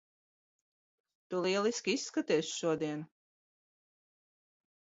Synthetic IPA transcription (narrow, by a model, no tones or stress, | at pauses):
t̪ulˠiɛlˠiskʲiisːkat̪ɛːsʃuɔd̪iɛn